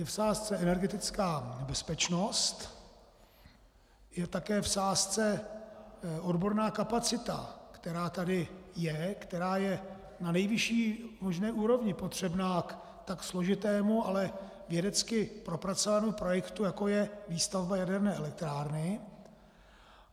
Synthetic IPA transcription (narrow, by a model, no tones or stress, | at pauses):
jɛfsaːst͡sɛɛnɛɾɡɛt̪ɪt͡skaːbɛspɛt͡ʃno̞st̪ | jɛt̪akɛːfsaːst͡sɛ | ʔo̞dbo̞ɾnaːkapat͡sɪt̪a̰kt̪ɛɾaːt̪adɪjɛkt̪ɛɾaːjɛ | nanɛjvɪʃiːmo̞ʒnɛːʔuːɾo̞vɲɪpot̪r̝̥ɛbnaːk | t̪akslo̞ʒɪt̪ɛːmualɛ | vjɛdɛt͡skɪpɾo̞pɾat͡sovanɛmupɾo̞jɛkt̪ujako̞jɛviːst̪avbajadɛɾnɛːɛlɛk̚t̪ɾaːɾnɪ